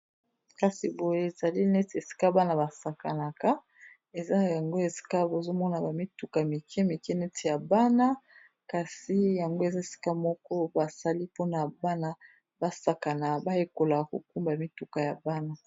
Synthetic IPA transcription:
ka˦si˨bo˨je˦e˨za˨li˦nɛ˦te˨si̥˦ka˦ba˦na˨ba˨sa˨ka˨na˨ka˦ | e˨za˦˨ja˨ŋɡo˦e˨si̥˦ka˦bo˨zo˦mɔ˦na˨ba˨mi˦tu˨ka˨mi˨kɛ˦mi˨kɛ˦nɛ˦tʰe˨ja˨ba˦na˦ | ka˨si˦ja˨ŋɡo˦e˨za˦e˨si̥˦ka˦mɔ˦kɔ˦ba˨sa˦li˦po˦na˨ba˦na˦ | ba˦sa˨ka˨na˨ba˦je˦ko˨la˨ko̰˨ku˦mba˨mi˦tu˨ka˨ja˨ba˦na˦

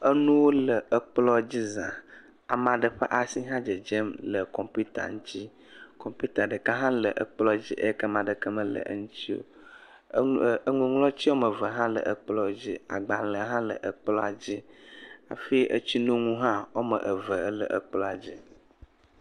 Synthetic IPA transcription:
ə˦nũ˦wo˦lə˨ə˨k͡plɔ˦d͡ʑi˦zã˨ | a˨mã˨ɖə˨ɸə˦ʔa˨si˦ɦã˦d͡ʒə˨d͡ʒe˦mlə˨kɔ˨mpu˦t̪a̰˨ŋũ˦t̪i˦ | kɔ˨mpu˦t̪a˨ɖə˨ka˦ɦã˦lə˨ʔə̰˨k͡plɔ˦d͡ʑi˦ʔə˦kə˦mã˨ɖə˨kə˦mə˦lə̰˨ə̰˦ŋũ˦t̪i˦wo̰˦ | ə˦ŋũ˨ŋlɔ˦t͡ɕi˦wo˦mə˨və˨ɦã˦lə̰˨ʔə˨k͡plɔ˦d͡ʑi˦a̰˨ɡ͡ba˨lə˨ɦã˦lə̰˨ʔə˨k͡plɔ˦a˨d͡ʑi˦a̰˨fi˦ʔə̰˦t͡ɕi˦nũ˦ŋũ˦ɦã˦wo˦mə̰˨ʔə˨və˨ə˦lə̰˨ʔə˨k͡plɔ˦a˨d͡ʑi˦

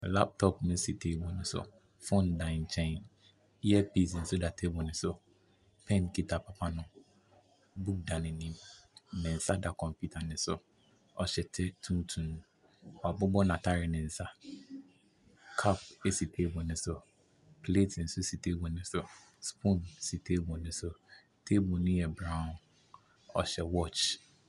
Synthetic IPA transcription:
la̰˦p̚tʰɔ˦pnʊ̃˦si˨tʰe˦bʊ̃˨nɪ̃˨sʊ̰˦˨ | fõ˦˨ndã˨nt͡ʃʰɛ̃˦˨n | i˦ɛ˦pi˦˨s̬n̩˨sʊ˦da˨tʰe˦bɔ˨nɪ̃˨sʊ˦ | pʰɛ̃˦nkʰi˦tʰa˨pʰa˨pʰa˦nʊ̃˦ | bu˦k̚dã˨nɪ̃˨nĩ˦mnɛ̃˨n̩˨sa˦da˨kʰɔ̃˨mpju˦tʰa˨nɪ̃˨sʊ˦ | ɔ˨ɕɛ˨tʰɛ˦tʰũ˦n˦tʰũ˨ñ˨ | ɔ˨a˨bʊ˦bɔ˦nã˨tʰa˦ɾɪ˨nɪ̃˨n̩˨sa˦ | kʰa˦pe˦si˨tʰe˦bʊ˨nɪ̃˨sʊ˨ | pʰle˦tʰɪ˨n̩˨sʊ˦si˨tʰe˦bʊ˨nɪ̃˦sʊ˦ | spʰũ˦nsi˨tʰe˦bʊ˨nʊ̃˦sʊ˦ | tʰe˦bʊ˨nʊ̃˦jɛ˨bɾã˦ʊ̃˨n | ɔ˨ɕɛ˨wɔ˦˨t͡ʃ

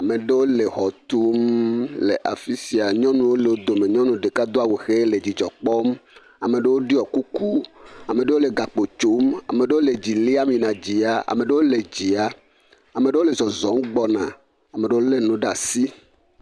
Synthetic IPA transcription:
a˨me˨ɖe˦wo˦le˨xɔ˨t̪u˦mle˨ʔa̰˨fi˦si˦a˨ɲɔ̃˦nũ˦wo˦le˨wo˦d̪o˨me˨ɲɔ̃˦nũ˨ɖe˨ka˦d̪o˦a˦we˨xe˦le˨d͡ʑi˨d͡ʒɔ˨k͡pɔ˦m | a˨me˨ɖe˦wo˦ɖi˦ɔ˨ku˦ku˦a˨mẽ˨ɖe˦wo˦le˨ɡa˨k͡po˨t͡ʃo˦ma̰˨me˨ɖe˦wo˦le˨d͡ʑi˨li˦a˦mĩ˨nã˨d͡ʑi˨a˨ʔa̰˨me˨ɖe˦wo˦le˨d͡ʑi˨a˨ | a˨me˨ɖe˦wo˦le˨zɔ˨zɔ˨˦mɡ͡bɔ˨nã̰˨ | a˨me˨ɖe˦wo˦le˦nũ˨˦ɖa˨si˦

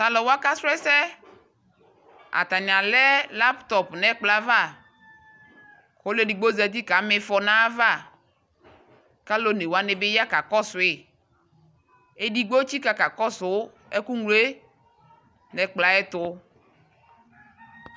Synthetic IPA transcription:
t̪a˨lɔ˨wa˦ka˦sɾɛ˦sɛ˦ | a̰˨t̪a˨ɲã˨lɛ˦la˦pt̪ɔ˨pnɛ˨k͡pla˦va˦˨ | ko˦le˦di˨ɡ͡bo˦zɛ˨t̪i˦ka˨˦mɪ˨fɔ˨nã˦va˦˨ | ka˦lo˦ne˨wa˦nɪ˨bɪ˦ja˦ka˨kɔ˦sʊ˨ɪ˨ | e˦di˦ɡ͡bo˦t͡ɕi˦ka˦ka˨kɔ˦sʊ˨˦ | ɛ˦ku˦ŋule˦ | nɛ˨k͡pla˨˦ɛ˦t̪ʊ˦

